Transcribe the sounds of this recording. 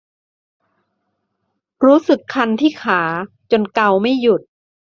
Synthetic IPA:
ɾuː˦˥sɯ˨˩kʰːa˧nt̪ʰiː˥˩kʰaː˩˦ | t͡ɕo˧nka˧wma˥˩jju˨˩t̪̚

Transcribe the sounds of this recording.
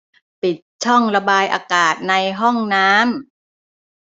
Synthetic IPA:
pi˨˩t̪̚t͡ɕʰɔ˥˩ŋɾa˧baː˧jʔa̰ː˧kaː˨˩t̪̚na˧jɦɔ˥˩ŋnaː˦˥m

